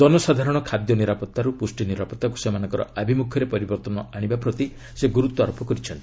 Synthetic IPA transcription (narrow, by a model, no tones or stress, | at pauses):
d͡ʒɔnɔsad̪ʱaɾɔɽ̃ɔkʰad̪jɔniɾapɔt̪ːaɾupusʈiniɾapɔt̪ːak̬u̥semanɔ̃ŋkɔɾɔ̰abʱimukʰjɔɾepɔɾibɔɾt̪ɔnɔaɽ̃ibapɾɔt̪i | seɡuɾut̪ːɔaɾopʰɔkɔɾit͡ʃʰɔnt̪i̥